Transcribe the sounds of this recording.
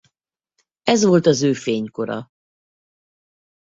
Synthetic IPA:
ɛzʋo̞lt̪ɒzøːfeːɲko̞ɾɒ̰

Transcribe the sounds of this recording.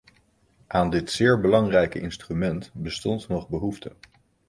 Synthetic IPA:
ʔaːndɪtsɪːɹbəlɑŋrɛjkəʔɪnstrymɛntbəstɔntnɔχbəɦuftə

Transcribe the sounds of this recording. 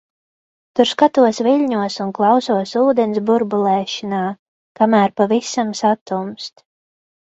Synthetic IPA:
t̪uɾskat̪uɔsviʎʲɲuɔsunklˠɑwsuɔsuːd̪ɛnsbuɾbulˠɛːʃanaː | kamæːɾpavisamsat̪umst̪

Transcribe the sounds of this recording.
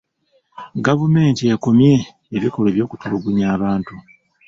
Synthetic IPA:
ɡavume̞ːntijeko̞mje̞ː | βiko̞leβjo̞ːkutuluɡuɲaːβaːntu

